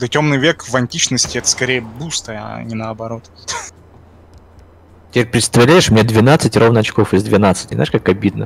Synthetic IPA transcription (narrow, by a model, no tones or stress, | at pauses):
d̪ətʲo̞mnɨjvʲekvɐnʲtʲit͡ɕnəsʲtʲɪɛt̪ə̥skɐɾʲejəbust̪əa̰nʲɪnəɐbɐɾo̞t̪ | t̪ʲɪeɾʲpɾʲɪt̪st̪ɐvlʲæjɪʂmnʲed̪vʲɪnat̪sɨtʲro̞vnəɐt͡ɕko̞fɪzd̪vʲɪnat̪sɨ̥tʲɪznaɪʂkakɐbʲid̪̚nə